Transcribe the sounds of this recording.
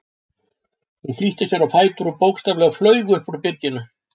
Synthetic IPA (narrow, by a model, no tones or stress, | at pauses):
hunfliht̪ɪsjɛɾawfaːjt̪uɾupowkst̪avlɛɣaflœːɥɣʏʏhpuɾpɪɾcɪnːʏ